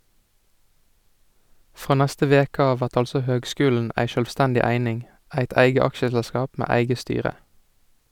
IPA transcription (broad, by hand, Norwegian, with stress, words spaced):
ˈfʁoː ˈnɛstə ˈʋeːkə ˈɑːʋ ˈʋæʁt ˈɑlsɔ ˈhøːɡˌskʉːln̩ʔ ˈæɪ ʃœlʋˈstændɪ ˈæɪnɪŋ ˈæɪt ˈæɪɡə ˈɑkʃəsɛlˌskɑːp ˈmeː ˈæɪɡə ˈstyːʁə